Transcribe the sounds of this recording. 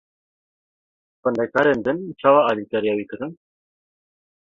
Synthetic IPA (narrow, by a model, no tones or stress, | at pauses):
pənd̪ekaɾend̪ɨnt͡ʃʰawaɑlikaɾijawikəɾən